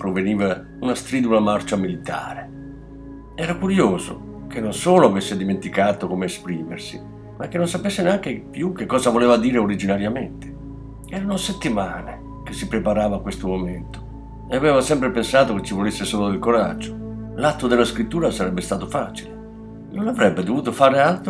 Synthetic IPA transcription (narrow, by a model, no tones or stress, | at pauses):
pɾoveniːva | unast̪ɾiːd̪ulamart͡ʃamilit̪a̰ːɾe | ɛːɾakuɾjoːzo̰ | k̟enːonsoːloavesːed̪iment̪ikaːt̪okomeːspɾiːmḛrsi | makːenːonsapesːeneaŋk̟epjukːekːɔːzavoleːvad̪iːɾeoɾid͡ʒinaɾjament̪e̥ | ɛːɾanoset̪ːimaːne | k̟esːipɾepaɾaːvaːkwest̪omoment̪o̥ | eaveːvasɛmpɾepensaːt̪oket͡ʃːivolesːesoːlod̪elkoɾa̰d͡ʒːolat̪ːod̪elːaskɾit̪ːuːɾasaɾɛbːest̪aːt̪ofaːt͡ʃile | nonavɾɛbːed̪ovuːt̪̬ofaːɾealt̪ɾ